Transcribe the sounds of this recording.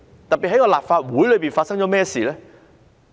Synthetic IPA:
t̪ɐ˨t̚piː˨hɐ˨˥kɔː˧laː˨p̚faː˧t̚wuː˨˥jlɵ˨˧ɥpiː˨˩nfaː˧tsɐ˥ŋt͡ʃɔː˨˥mɛː˥˩siː˨lɛː˥

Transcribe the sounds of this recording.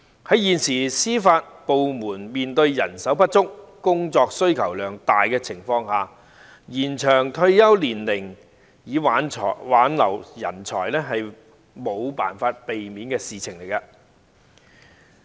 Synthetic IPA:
hɐ˨˥jiː˨nsiː˨˩siː˥faː˧t̚po˨wmuː˨˩nmiː˨nt̪ɵ˧ɥjɐ˨˩nsɐ˨˥wpɐ˥t̚t͡sʊ˥k̚ːʊ˥ŋt͡sɔː˧k̚sɵ˥ɥkʰɐ˨˩wlœː˨˩ŋt̪aː˨jkɛː˧t͡sʰɪ˨˩ŋfɔː˧ŋhaː˨ | jiː˨˩nt͡ʃʰœː˨˩ŋt̪ʰɵ˧ɥjɐ˥wliː˨˩nlɪ˨˩ŋ | jiː˨˧waː˨˥nʰɔ̰˨waː˨˥nlɐ˨˩wjɐ̰˨˩nt͡ʃʰɔ̰ː˨˩jlɛː˥ɦɐ˨j | mo˨˧wpaː˨˩nfaː˧t̚pe˨jmiː˨˥nkɛː˧siː˨t͡sʰɪ˨˩ŋle˨˩jkɐ˧

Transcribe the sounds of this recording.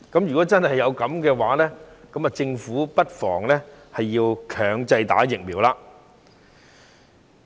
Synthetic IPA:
kɐ˨˦˥mjyː˨˩kɔː˨˥t͡sɐ˥nhɐ˨jːɐ˨˧wkɐ˨˥mkɛː˧waː˨˥lɛː˥kɐ˨˥ma˨t͡sɪ˧ŋfuː˨˥pɐ˥t̚fɔ̰ː˨˩ŋlɛ˥hɐ˨jːiː˧wkʰœː˨˩ŋt͡sɐ˧jt̪a̰ː˨˥jɪ˨k̚miː˨˩wlaː˧

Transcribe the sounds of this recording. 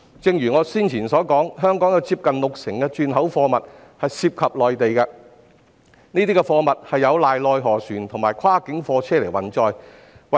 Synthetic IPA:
t͡sɪ˧ŋjyː˨˩ŋɔː˨˧siː˥nt͡sʰiː˨˩nsɔː˨˥kɔː˨˥ŋɦœː˥ŋkɔː˨˥ŋjɐ˨˧wt͡siː˧p̚kɐ˨nlʊ˨k̚sɪ˨˩ŋkɛ˧t͡ʃyː˨˧nɦɐ˨˥wfɔː˧mɐ˨t̚ | hɐ˨jsiː˧p̚kʰɐ˨p̚lɔː˨jt̪e˨jkɐ˧ | niː˥t̪iː˥kɛ˧fɔː˧mɐ˨t̚hɐ˨jːɐ˨˧wlaː˨jlɔː˨jɦɔː˨˩syː˨˩nt̪ʰʊ˨˩ŋmaː˨˩jkʰwaː˥kɪ˨˥ŋfɔː˧t͡sʰɛː˥le˨˩jwɐ˨˩nt͡sɔː˨˧j | wɐ˨

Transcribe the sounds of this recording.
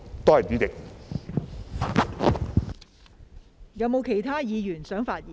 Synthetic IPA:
t̪oː˥ɐ˨jt̪y˨˥t̪ɪ˨k̚ | jɐ˨˥wmo˨˧wkʰe˨˩jt̪ʰaː˥jiː˨˧jyː˨˩nsœː˨˥ŋfaː˧t̚jiː˨

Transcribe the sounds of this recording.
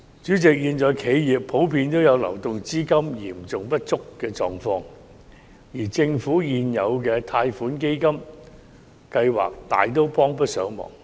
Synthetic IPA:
t͡ʃyː˨˥t͡sɪ˨k̚jiː˧nt͡ʃɔː˨jkʰe˨˧˥jjiː˨pʰːo˨˥wpʰiː˧nt̪o˥wjɐ˨˧wlɐ̰˨˩wt̪ʊ˨ŋt͡siː˥kɐ˥mjiː˨˩mt͡sʊ˨˩ŋpɐ˥t̚t͡sʊ˥kkːɛː˧t͡sɔ̰ː˨ŋfɔː˧ŋ | jiː˨˩t͡sɪ˧ŋfuː˨˥jiː˧njɐ˨˧wkɛː˧t̪ʰaː˧jfuː˨˥nke˥jkɐ˥m | kɐ˧jwa̰ː˨˩k̚t̪a̰ː˨jt̪̬o˥wpɔː˥ŋp̬ɐ˥t̚sœː˨˥ŋmɔ̰ː˨˩ŋ

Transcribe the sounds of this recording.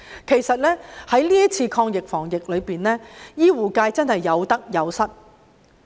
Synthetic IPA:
kʰe˨˩jsɐ˨t̚lɛː˥hɐ˨˥jliː˥jɐ˥t͡sʰiː˧kʰɔː˧ŋjɪ˨k̚fɔː˨˩ŋjɪ˨k̚lɵ˨˧ɥpiː˨nlɛː˥jiː˥wuː˨kaː˧jt͡sɐ˥nɦɐ˨jːɐ˨˧wt̪ɐ˥k̚jɐ˨˧wsɐ˥t̚

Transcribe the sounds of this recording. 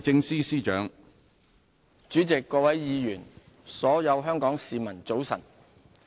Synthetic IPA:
t͡sɪ˥˧ŋsiː˥siː˥t͡ʃœː˨˥ŋ | t͡ʃyː˨˥t͡sɪ˨kːɔː˧wɐ˨˥jːiː˨˧jyː˨˩n | sɔː˨˥jɐ˨˧wɦœː˥ŋkɔː˨˥ŋsiː˨mɐ˨˩nt͡so˨˥wsɐ̰˨˩n

